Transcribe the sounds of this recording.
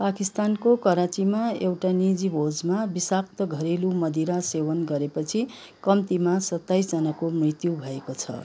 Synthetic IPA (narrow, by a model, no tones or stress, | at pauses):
pakist̪ankokʌɾat͡simaewʈanid͡zibʱod͡zmabisak̚t̪ʌɡʱʌɾelumʌd̪ʱiɾasewʌnɡʌɾepʌt͡sʰi | kʌmt̪imasʌt̪ːajsd͡zʌnakomrit̪jubʱʌekot͡sʰʌ̰